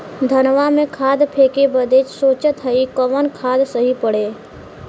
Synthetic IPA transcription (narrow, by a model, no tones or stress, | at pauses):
d̪ʱənʋamẽkʰaːd̪pʰeːkebəd̪eːt͡ʃsoːt͡ʃət̪ɦəikəʋənkʰaːd̪səɦipəɽeː